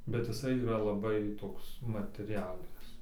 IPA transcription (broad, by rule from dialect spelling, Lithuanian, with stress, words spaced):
bʲɛt jɪˈsɐɪ iːˈrɐ lˠɐˈbɐɪ ˈtoːks mɐtʲɛˈrʲæːlʲɪnʲɪs